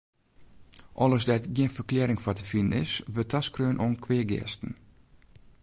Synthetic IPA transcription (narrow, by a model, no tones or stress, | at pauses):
ʔɔ̰lˠəsdɛtɡiənfərklɛːɾɪŋfɔtəfinənɪ̰sʋøtʰaskrøːnʔoənkʰwɪəɡɪ̰əstən̩